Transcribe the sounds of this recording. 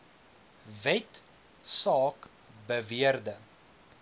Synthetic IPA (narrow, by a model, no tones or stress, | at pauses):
vɛt | sɑːk | bəviərdə